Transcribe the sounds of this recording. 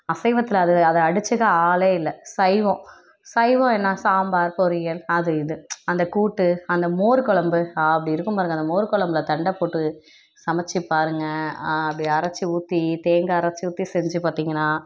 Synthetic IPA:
ɐsɐɪʋɐt̪ːɪlɐːðɯɐðɐɐɽɯt͡ʃːɯɣaaːleːɪlːɐsɐɪʋõː | sɐɪʋõːɛnːaːsaːmbaːɾpɔɾɯjɐlɐðɯɪðɯɐnd̪ɐkuːʈːɯɐnd̪ɐmoːɾɯkɔɭɐmbɯɐpɐɽiɪɾɯkːɯmpaːɾɯŋɡɐnd̪ɐmoːɾɯkɔɭɐmbɯlɐt̪ɐɳɖɐpːoːʈːɯ | sɐmɐt͡ʃːipaːɾɯŋɡɐɐpːɐɽĩɐɾɐt͡ʃːɯuːt̪ːit̪eːŋɡɐɐɾɐt͡ʃːɯuːt̪ːisɛɲd͡ʒɯpaːɾt̪iːŋɡɐnːaː

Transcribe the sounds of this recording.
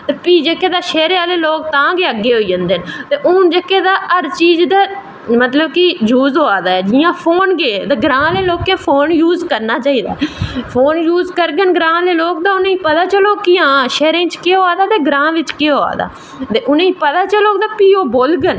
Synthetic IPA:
t̪eːpiːd͡ʒeːkeːd̪aːʃɛːɾeaːleːloːk̚t̪ãːɡeːəɡeːɦoːiːd͡ʒə̃nd̪eːnt̪eːʔʊːnd͡ʒeːkːeːd̪aːəɾt͡ʃiːzd̪aː | mət̪ləbkijuːzɦoːaːd̪aːɛːd͡ʒɪːãːpʰoːnɡeːd̪eːɡɾãːleːloːkːẽːpʰoːnjuːzkəɾnaːt͡ʃaːiːd̪a̰ːpʰoːnjuːzkəɾɡənɡɾãːleːloːk̚d̪aːʊnẽĩːpət̪aːt͡ʃəloːkɪãːʃɛːɾẽːt͡ʃkeːɦoːaːd̪aːt̪eːɡɾãːʋɪt͡ʃkeːɦoːa̰ːd̪a̰ː | t̪eːʔʊnẽːiːpət̪aːt͡ʃəloːkd̪aːpiːoːboːlɡən

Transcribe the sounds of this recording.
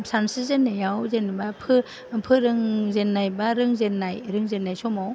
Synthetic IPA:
sansɯzenːajawzenabapʰɯ | pʰɯɾɯŋzenːajbaɾɯŋzenːajɾɯŋzenːajsɔmaw

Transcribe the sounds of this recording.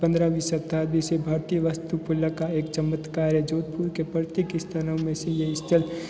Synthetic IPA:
pə̃nd̪ɾaʋisət̪aːd̪bisebʱaːɾt̪ijəʋəst̪upʊləkaeːkt͡ʃəmət̪kaːɾjəd͡ʒoːd̪̚puɾkepəɾt̪ekɪst̪ʰanəwmẽsejeɪst̪ʰəl

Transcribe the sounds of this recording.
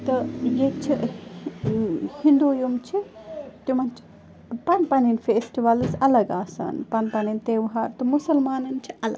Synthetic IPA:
t̪ɐjet͡ʃʰi | hind̪uːjumt͡ʃʰit̪umɐnt͡ʃʰi̥ | pɐnpɐninfeːsʈiʋɐlzɐlɐɡaːsa̰ːnpɐnpɐnint̪eːʋɦaɾt̪ɨmusɐlmaːnɐnt͡ʃʰiʔɐlɐ̰ɡ

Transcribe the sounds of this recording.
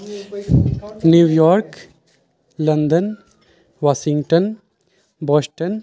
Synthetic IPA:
njuːjɔːɾk | lɐnd̪ən | ʋaːʃɪ̃ŋɡʈən | bɔːsʈən

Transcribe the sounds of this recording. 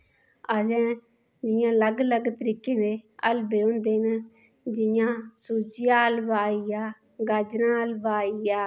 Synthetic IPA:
əd͡ʒɛ̃ː | d͡ʒɪjãːləɡləɡt̪əɾiːkeːd̪eːəlbeːʊ̃ːnd̪eːn | d͡ʒɪjãːsuːd͡ʒɪjaːəlbaːijaː | ɡəd͡ʒɾãːəlbaːijaː

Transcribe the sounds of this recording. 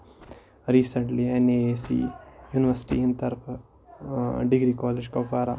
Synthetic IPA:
ɾiːsɐɳʈlieneːeːsḭjuːniʋɐɾsi̥ʈḭint̪ɐɾpʰ | ɖiɡɾikaːled͡ʒkɐpaːɾa̰

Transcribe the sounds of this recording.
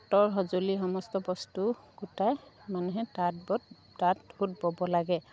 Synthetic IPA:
tɔɹɦɔzoliɦɔmɔstɔbɔstu | ɡutaj | manuɦɛtad̚bɔ | tathut̚bɔbɔlaɡɛ

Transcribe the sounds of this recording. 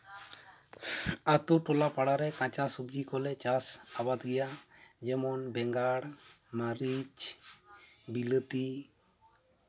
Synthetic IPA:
at̪uʈɔlapaɽaɾɛkãt͡ʃasubd͡ʒikɔlɛt͡ʃasabad̪ɡɛjad͡ʒɛmɔnbɛŋɡaɽ | maɾit͡ʃ | bilət̪i

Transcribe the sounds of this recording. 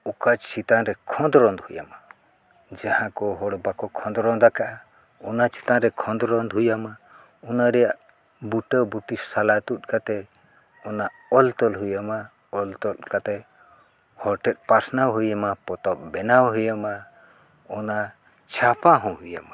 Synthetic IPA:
ukad͡ʒt͡ʃit̪anɾɛkʰɔ̃nd̪ɾɔnd̪huja̰ma | d͡ʒahãkɔɦɔɽbakɔkʰɔ̃nd̪ɾɔnd̪akaʔa | ɔnat͡ʃi̥t̪anɾɛkʰɔ̃nd̪ɾɔnd̪ɦujama | ɔnaɾɛjaʔ | buʈəbuʈisalat̪ut̪̚ˀkat̪ɛ | ɔnaʔɔlt̪ɔlɦujama | ɔlt̪ɔt̪kat̪ɛ | hɔɾʈɛt̪̚paɾsnawɦujamapɔt̪ɔp̚bɛnawɦujama | ɔna | t͡ʃʰapaɦɔ̃hujama

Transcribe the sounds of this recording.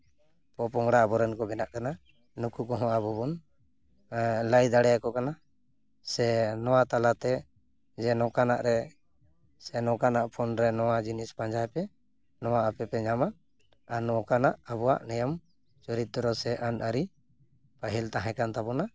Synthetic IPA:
pɔpɔŋɽaːbɔɾɛnkɔbɛnaʔkana | nukukɔɦɔ̃abɔbun | lajd̪aɽɛjakɔkana | sɛnɔwat̪alat̪ɛ | d͡ʒɛnɔkana̰ʔɾɛ | sɛnɔ̃kanaʔpʰɔnɾɛnɔwad͡ʒinispaɲd͡ʒajpɛ | nɔwaʔapɛpɛɲama | anɔɔkanaʔabɔwaʔnɛjam | t͡ʃɔɾit̪ːɔɾɔsɛʔanaɾi | paɦilt̪aɦɛ̃kant̪abɔna

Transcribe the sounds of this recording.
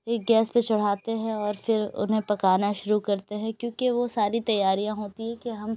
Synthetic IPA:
eːk̚ɡɛːspet͡ʃɐɽ̤aːt̪eɦɛ̃ɔːɾfɪɾʊ̰nɦẽpɐkaːnaʃʊɾukɐɾt̪eɦɛ̃kjõːkeʋosaːɾit̪ɐjːaːɾijãɦoːt̪iɦɛ̃kiɦɐm

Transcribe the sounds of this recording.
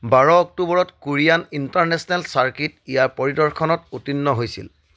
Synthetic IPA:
baɹɔːk̚tubɔɹɔtkuɹijanintaɹnɛsɔnɛlsaɹkitijaɹpɔɹidɔɹkʰɔnɔtutinːɔɦojsḭl

